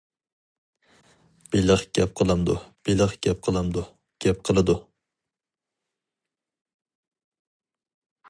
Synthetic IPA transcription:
b̥eləχɡ̥ʲɛp̚qʰəlˠɨmd̪ṵb̥elɪχɡ̥ʲɛp̚qʰəlˠɨmd̪u | ɡ̥ʲɛp̚qʰəlˠɨd̪u

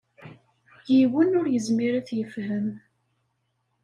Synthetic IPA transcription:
jiwənʊɾjəzmiɾaθjəfhəm

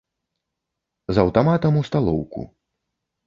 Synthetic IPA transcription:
zɐwt̪amat̪ɐmust̪alˠɔwkṵ

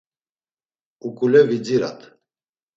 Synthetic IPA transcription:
ukʼulɛvid͡ziɾa̰t̪ʰ

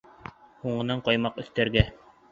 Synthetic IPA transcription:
huɴɤ̆nɑɴqɑjmɑqɵ̆θt̪æɾɡæ

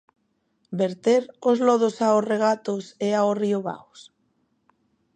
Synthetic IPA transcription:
beɾt̪eɾozlɔð̞osaosreɣat̪oseaosrioβa̰ws

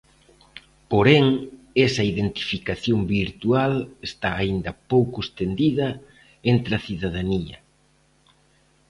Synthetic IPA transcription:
poɾeŋ | esɐiðent̪i̥fikaθjombiɾt̪ualest̪aːind̪ɐpowkʊest̪end̪iðɐ | ent̪ɾɐθiðaðaniɐ̰

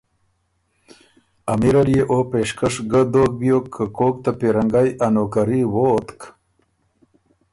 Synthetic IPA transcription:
amiɾaljeʔopeʂkaʂɡəd̪ok̚bijokʰːəkok̚t̪apiɾaŋɡajanokaɾiwot̪k

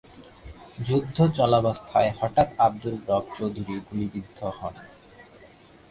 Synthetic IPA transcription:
d͡ʑud̪ʱːot͡ɕɔlabast̪ʰa̰ehɔʈat̪ab̚d̪ulɡɾɔb̚t͡ɕowd̪ʱuɾiɡulibid̪ʱːohɔn

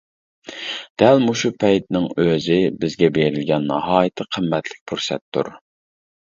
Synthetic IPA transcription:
d̪̥ɛlmuʃupʰɛjt̪̚nɪŋøzɪbɪzɡʲɛbeɾɪlɡʲɛnːɑɦɑːjɪt̪ʰɨqʰəmːɛt̪ʰlɪ̥k̚ʲpʰuɾsɛ̰t̪ʰːṵɾ

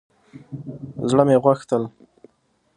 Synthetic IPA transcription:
zɽəmeɣwaxt̪əl

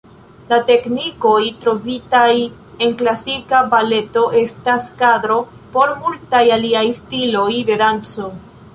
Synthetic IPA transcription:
late̞kniko̞jtɾo̞vitaj | e̞nklasikabale̞to̞ʔe̞staskadɾo̞ | po̞ɾmultajaliajstilo̞jde̞dant͡so̞

